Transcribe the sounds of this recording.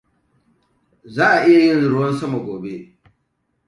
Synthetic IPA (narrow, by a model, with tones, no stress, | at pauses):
zaː˦ʔa˨ʔɪ˦ja˨jɪ˦nzɾʊ˦wɐ˦nsɐ˦ma˨ɡʷoː˨be˦ʔ